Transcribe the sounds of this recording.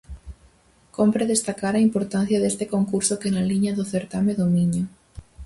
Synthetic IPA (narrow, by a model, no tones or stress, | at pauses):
kompɾeðest̪akaɾaimpoɾt̪an̟θjaðest̪ekoŋkuɾsokenaliɲaðoθeɾt̪ameðomiɲo